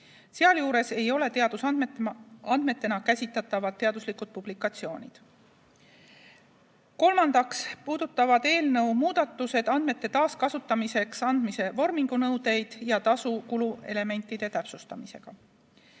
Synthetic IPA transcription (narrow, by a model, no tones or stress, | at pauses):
se̞ɑljuːɾe̞se̞jo̞le̞t̪eɑd̪̥us | ɑnd̪̥me̞t̪ːe̞nɑkæsʲit̪ːˑɑt̪ːˑɑvɑt̪t̪ːe̞ɑd̪uslikud̪̚pub̥likːˑɑt̪sio̞ːnʲid̪̥ | ko̞lmɑnd̪̥ɑkspuːd̪̥ut̪ːˑɑvɑd̪̥e̞ːlnɤwmuːd̪̥ɑt̪ːˑuse̞d̪̥ɑnd̪̥me̞t̪ːe̞t̪ɑːskɑsut̪ːˑɑmise̞ksɑnd̪̥mise̞vo̞rmiŋɡ̥unɤwd̪̥e̞jd̪̥jɑt̪ɑsukulue̞le̞me̞nʲt̪ːˑid̪̥e̞t̪æpsust̪ɑmise̞ɡ̥ɑ